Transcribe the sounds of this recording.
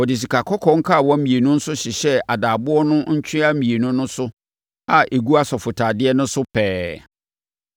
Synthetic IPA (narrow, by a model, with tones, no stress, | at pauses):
ɔ˨dɪ˨s̬i˨kʰa˨kʰɔ˦kʰɔ̃˦ŋ̩˦kʰa˦˨wɔ̃˦m̩˦mĩ˨e˨nũ˦n̩˦sʊ˦ɕɪ˨ɕɛ˦a˨daː˨bʊ˦ɔ˦nʊ̃˦ɲ̩˦t͡ɕʰᶣɪ̃˦a˦mĩ˨e˨nũ˦nʊ̃˦sʊ˦ | a˦ʔe˨ɡu˦a˦sɔ˨fʊ˨tʰa˨dɪ˦ɛ˦nʊ̃˦sʊ˦pʰɛː˨˦